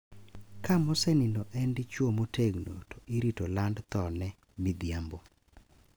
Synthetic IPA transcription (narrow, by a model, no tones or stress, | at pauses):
kamɔsɛninoʔɛndɪt͡ʃwomotʰeɡno̰tɔ̥ʔiɾitolandt̪ɔnɛ | mid̪jambo